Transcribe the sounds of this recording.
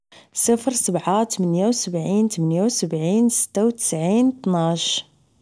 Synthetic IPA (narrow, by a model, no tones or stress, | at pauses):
sˤəfɾsəbʕat̪mənjawsəbʕint̪mənjawsəbʕinsə̥t̪ːawt̪ə̥sʕint̪ˤnaʃ